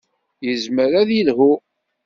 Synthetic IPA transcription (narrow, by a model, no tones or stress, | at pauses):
jəzməɾæðilhu